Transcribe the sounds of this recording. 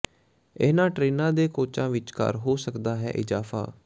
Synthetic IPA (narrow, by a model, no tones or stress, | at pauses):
eːnãːʈɾeːnãːd̪eːkoːt͡ʃãːʋɪt͡ʃkə̰ɾɦoːsəkd̪aːɦɛ̰ːʔɪzaːfʰa̰ː